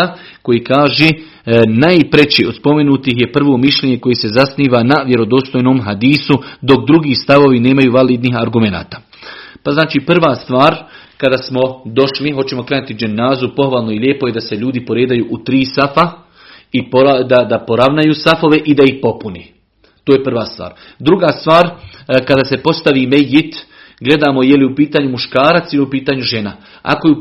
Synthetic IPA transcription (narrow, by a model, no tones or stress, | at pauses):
a | ko̞jikaːʒeː | najpɾe̞t͡ɕeo̞d̪spo̞me̞nuːt̪iɦje̞pr̩ʋo̞ːmiʃʎʲe̞ɲe̞ko̞jese̞zasniːʋanaʋje̞ɾo̞d̪o̞ːst̪o̞jnoːmɦad̪iːsud̪o̞k̚d̪ɾuɡiːst̪aʋo̞ʋine̞ːmajuːʋaliːd̪niɦaɾɡume̞na̰ːt̪ḁː | paznaːt͡ʃiːpr̩ʋast̪ʋaːɾ | kad̪aːsmo̞d̪o̞ʃliɦot͡ɕe̞mo̞kɾenut̪id͡ʒenːaːzupo̞xʋaːlˠnoiljeːpo̞je̞d̪ase̞ʎuːd̪ipo̞ɾeːd̪ajuːʔut̪ɾiːsafa | ipoad̪ad̪apo̞ɾaʋnajuːsafo̞ʋe̞ʔid̪aihpo̞puneː | t̪oːjepr̩ʋaːst̪ʋa̰ːɾ | d̪ɾuɡaːst̪ʋaːɾ | kad̪aːse̞po̞st̪aʋiːmejːit̪ | ɡle̞d̪aːmo̞jeliupiːt̪aːɲumuʃkaːɾat̪siliupiːt̪aːɲuʒe̞na | a̰ko̞ju